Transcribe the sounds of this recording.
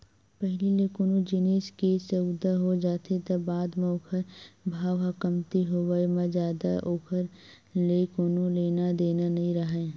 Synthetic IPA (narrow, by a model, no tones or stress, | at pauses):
pɛɦlileːkoːnõd͡ʒɪneːʃkeːseʊd̪ʱːəɦod͡ʒaːt̪ʰet̪ɐbaːd̪m̃ːoːkʰəɾbʱaːʋɦakəmt̪iɦoʋəimãzjaːd̪a̰ʔoːkʰəɾ | leːkoːnõleːnad̪eːnanɐɦĩɾɐɦẽː